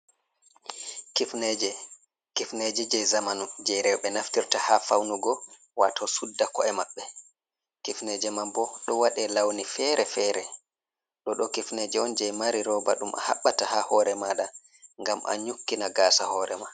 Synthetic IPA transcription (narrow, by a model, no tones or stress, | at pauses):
kifnɛd͡ʒɛ | kifnɛd͡ʒɛd͡ʒɛjzamanud͡ʒɛjɾɛwɓɛnaftiɾtahafawnuɡɔ | watʰɔsudːakɔɛmaɓːɛ | kifnɛd͡ʒɛmambɔɗɔwaɗɛlawnifɛːɾʔɛfɛːɾɛ | ɗɔɗɔkifnɛd͡ʒɛɔnd͡ʒɛjmaɾiɾɔːba̰ɗumʔa̰ha̰ɓːatahahɔːɾɛmaːɗa | ŋɡamʔa̰ɲukːinaɡaːsahɔːɾɛma